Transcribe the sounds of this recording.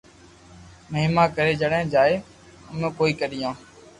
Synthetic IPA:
məɦɪmaːkəɾeːd͡ʒəɽẽːd͡ʒaːeː | əmẽːkoːiːkəɗɪjãː

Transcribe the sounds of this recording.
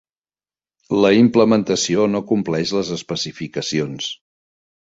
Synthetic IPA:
ləimpləmənt̪əsionokumplɛʃləzəspəsifikəsions

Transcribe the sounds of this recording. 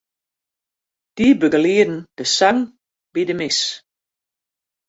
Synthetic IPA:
d̥iːbøɡəliədn̩d̥əsaŋ | b̥idəmɪs

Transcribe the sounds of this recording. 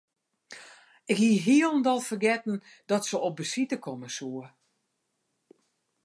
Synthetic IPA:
ɪkhiəɦiəlˠndɔlˠfərɡɛtn̩ | d̥ɔtsəɔp̚bəsitəkʰɔməsuə

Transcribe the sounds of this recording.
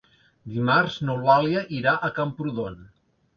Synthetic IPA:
d̪imaɾznowβaljəʔiɾaʔəkampɾuðon

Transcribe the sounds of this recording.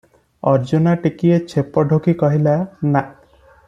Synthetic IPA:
ɔɾd͡ʒonaʈikiet͡ʃʰepɔɖʱokikɔɦilana

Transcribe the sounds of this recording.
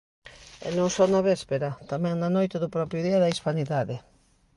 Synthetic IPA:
ɛ̰nõŋsɔnɐβɛspeɾɐt̪amɛ̃ŋnanojt̪eðʊpɾɔpɾjʊðiɐðaispaniðaðe

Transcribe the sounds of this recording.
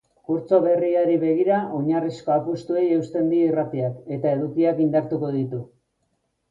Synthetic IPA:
kuɾt͡so̞βe̞riaɾiβe̞ɣ̞iɾao̞ɲarisko̞apust̪ue̞je̞ust̪e̞nd̪iirat̪iake̞t̪ae̞ðukiakind̪aɾt̪uko̞ðit̪u

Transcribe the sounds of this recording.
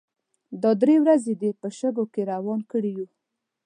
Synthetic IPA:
d̪ɑd̪ɾewɾazed̪epəʃəɡokeɾawɑnkəɽiju

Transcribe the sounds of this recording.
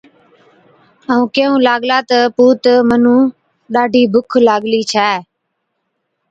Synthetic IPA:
əũːkeːũːlaːɠlaːt̪əpuːt̪əmənũː | ɗaːɖʱiːbʱʊkʰlaːɠliːt͡ʃʰaː

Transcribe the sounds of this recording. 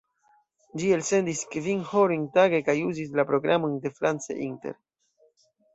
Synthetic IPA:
d͡ʒie̞lse̞ndiskvinhoɾiŋtaɡe̞kajuzis̬lapɾo̞ɡɾʔamojnde̞fɾant͡sḛʔinte̞̰ɾ

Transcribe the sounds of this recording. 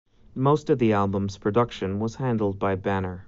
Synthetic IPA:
moʊstʌvðiælˠbə̃mz̥pʰɹ̥ɨdʌkʃɨ̃nwʌz̥hæ̃ndˡl̩ˠd̚baɪbænə˞

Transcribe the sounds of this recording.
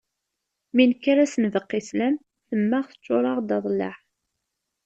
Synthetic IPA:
minkːaɾasənvəqːislæm | θəmːæʁθə̥t͡ʃːoɾˤɑʁd̪ɑðˤlɑ̰ħ

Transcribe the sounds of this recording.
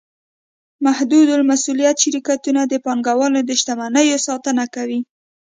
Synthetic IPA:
mahd̪ud̪ʊlmasulijat̪ʃɪɾikat̪unad̪əpɑŋɡawɑnod̪əʃt̪amanəjosɑt̪ənakawi

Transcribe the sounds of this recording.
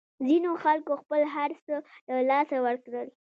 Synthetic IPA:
zinoxalkoxpəlɦaɾsələlɑsawəɾkɽəl

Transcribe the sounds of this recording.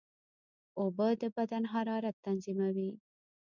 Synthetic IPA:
obəd̪əbad̪anɦaɾɑɾat̪ːanzimawi

